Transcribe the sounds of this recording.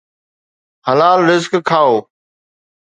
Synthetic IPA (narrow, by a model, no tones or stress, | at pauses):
həlaːlɾɪzkkʰːaːoː